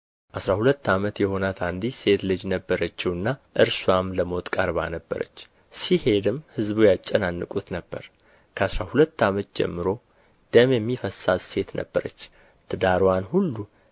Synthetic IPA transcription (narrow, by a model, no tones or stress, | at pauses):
ʔasɾahulət̪ːamət̪jɛho̞nat̪ʰand̪ise̞t̪lɨd͡ʒnəbːəɾət͡ʃːɛwɨnːaʔɨɾswamləmo̞t̪ʼkʼəɾβa̰nəbːə̰ɾə̰t͡ʃː | sihe̞d̪ɨmhɨzβujat͡ʃʼːɛnanːɨkʼut̪nəbːə̰ɾ | kʰəasɾahulət̪ːamət̪̚d͡ʒɛ̰mːɨɾo̞ | d̪̥əmjɛmːifəsazse̞t̪nə̰bːəɾə̰t͡ʃː | t̪ʰɨd̪aɾwanhulːu